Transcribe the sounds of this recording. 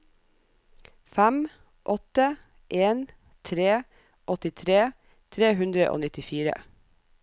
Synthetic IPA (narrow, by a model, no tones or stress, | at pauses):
fæm | ʔɔt̪ə | ʔeːn | t̪ʰɾeː | ʔɔt̪ɪt̪ʰɾeː | t̪ʰɾeːhʉnd̪ɾəʔo̰ːnɪt̪ɪfiːɾə̰